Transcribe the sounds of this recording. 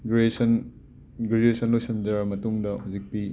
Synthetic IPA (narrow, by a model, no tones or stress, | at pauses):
ɡɾesɐn | ɡɾed͡ʒuesɐnlojsɐnd͡ʒɐɾmɐtuŋdɐhuzik̚pi